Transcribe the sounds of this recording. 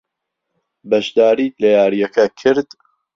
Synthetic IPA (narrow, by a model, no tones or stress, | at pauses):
bɐʃd̪aːɾiːlɐjaːɾijɐkʰɐkʰɨɾd̪̥